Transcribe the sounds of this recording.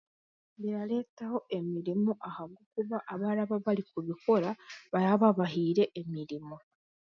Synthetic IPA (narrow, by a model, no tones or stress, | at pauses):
βiɾale̞ːtaho̞ʔe̞miɾimuʔahaɡukuβaʔaβaɾaβaβalikuβiko̞ɾaβaaβaβaɦiːɾe̞ʔːmiɾimu